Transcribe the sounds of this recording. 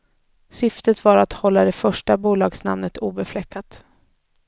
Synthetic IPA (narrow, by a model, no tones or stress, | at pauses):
sʏft̪ət̪vaɾat̪hɔlːad̪ɛfœʂʈabuːlɑːɡsna̰mnət̪uːbɛflɛkʰːat̪